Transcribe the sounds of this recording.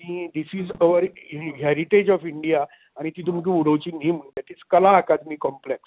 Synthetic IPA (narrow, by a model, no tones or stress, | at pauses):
id̪isizoʋəɾiɦɛɾiʈed͡ʑɔfiɳɖijaː | ɽ̃it̪iːt̪̬umk̬ĩuɽəʋt͡ɕiːniːm̤əɳd̪ɛʈid͡zkəlaːkad̪miːkɔ̃mpleks